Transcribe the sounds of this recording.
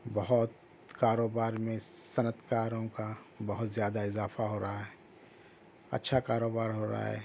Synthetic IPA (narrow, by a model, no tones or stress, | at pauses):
bɐɦʊt̪ | kaːɾoːbaːɾmẽsɐnət̪ʰkaːɾõka | bɐɦʊt̪zjaːd̪aɪzaːfaɦoːɾaɦaɦɛː | ɐ̰tːʃʰakaːɾoːbaːɾɦoːɾa̰ɦa̰ɦɛ̰ː